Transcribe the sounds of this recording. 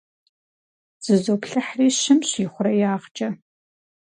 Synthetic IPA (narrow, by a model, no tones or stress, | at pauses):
z̥ɨzoːpɬɐħriːɕɪmɕiːχʷʊɾɐjaːʁt͡ʃʼɐ